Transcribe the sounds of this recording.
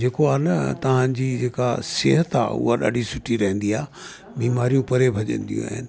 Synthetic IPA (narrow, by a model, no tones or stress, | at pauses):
d͡ʑeːkoaːnɐt̪ɐʋ̤ãd͡ʑiːd͡ʑeːka̰seːɦət̪a̰ːṵɦaɗa̰ːɖʱisʊʈʰiɾɐɦɛ̃nd̪iaː | biːmaːɾijũpɐɾebʱɐʄə̰̃nd̪ijṵ̃a̰ːɦɪ̰nɪ̆